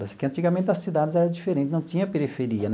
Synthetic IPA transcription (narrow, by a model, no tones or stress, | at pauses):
ɐskɪɐ̃nt̪iɡɐmẽnt̪ɪɐsid̪ad͡ʒɪzɛɾɐ̃d͡ʒifeɾẽnt̪ɪnɐ̃w̃t͡ʃ̪ĩɲɐpeɾifeɾiɐn